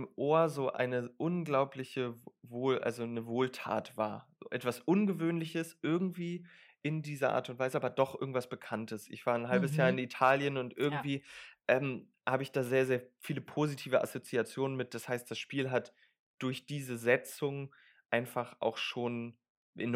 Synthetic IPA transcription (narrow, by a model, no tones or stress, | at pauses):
mʔoːɐzoːʔa̰ɪnəʔʊnɡlaʊplɪçəvoːlʔa̰lzonəvoːltʰa̰ːtv̥a̰ːɐzo̰ːʔɛtv̥asʔʊnɡəvøːnlɪçəsʔɪɐɡŋ̩tv̥iː | ʔɪndiːzɐʔa̰ːɐtʊntvaɪzəʔaːbɐdɔχʔɪɐɡŋ̩tv̥asb̥əkʰantəsʔɪ̰çv̥aːɐnɦalbəsjaːɐɪnitʰaːljənʊntʔɪɐɡŋ̩tv̥iːʔɛːm | haːbəɪçd̥aːzeːɐzeːɐfiːləpʰozitʰiːvəʔa̰sot͡siat͡sjoːnənmɪt̚d̥ashaɪstd̥asʃpiːlɦat | d̥ʊɐçd̥iːzəzɛt͡sʊŋ | ʔaɪnfaχʔa̰ʊxʃoːn | ʔɪ̰n